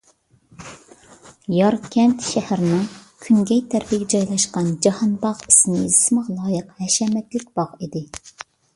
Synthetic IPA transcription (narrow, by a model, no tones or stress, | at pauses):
jɑɾkʲʰɛnt̪ʃɛhæɾnɨŋkʲʰyŋɡʲɛjt̪ʰæɾpɪɡʲɛd͡ʒɑjlˠɑʃqɑnd͡ʒɑhɑnbɑʁi̥sɪnɨzɪ̥smɨʁlˠɑːjəqhɛʃɛmɛt̪lɪkʲb̥ɑʁid̪ɪ